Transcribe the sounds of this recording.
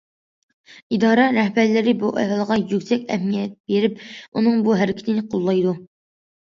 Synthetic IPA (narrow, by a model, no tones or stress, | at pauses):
id̪ɑːɾɑɾɛhbæɾlɪɾɪbuʔɛ̰ɦɑlˠəʁɑjykʲsɛkʲɛɦmijɛt̪̚beɾɪpunɨŋbuɦæɾɪkʲʰɪt̪ʰɪnɪqʰolˠːɑjd̪u